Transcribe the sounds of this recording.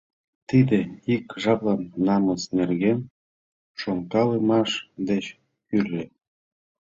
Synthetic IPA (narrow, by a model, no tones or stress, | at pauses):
t̪id̪eikʒɑplɑnːɑməsnerɣen | ʃoŋkɑlemɑʃd̪et͡ɕ | kyɾe